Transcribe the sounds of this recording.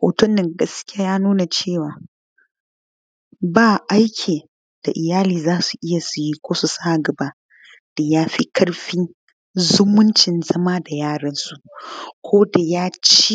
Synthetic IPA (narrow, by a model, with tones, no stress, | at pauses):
ho̰ː˨tʊ˦nːɪ˨ŋɡɐ˦skʲɪ˦aː˦jaː˦nuː˦na˨t͡ʃeː˦˨waː˨ | baː˦˨ʔa˦jkʲʰeː˨ | d̥a˨ʔɪ˨jaː˦liː˨zaː˦su˨ʔɪ˦ja˨su˨ji˦kʷoː˦su˨sa˦ʔɡɐ˨ba˦ | d̥a˨jaː˦ɸi˦kɐ˦ɽɸiː˦ | zʊ˦mʊ˦nt͡ʃɪ˨nzɐ˦ma˦da˨jaː˦˨ɽɐ˦nsu˨ʔkʷʰoː˦da˨jaː˦t͡ʃi˦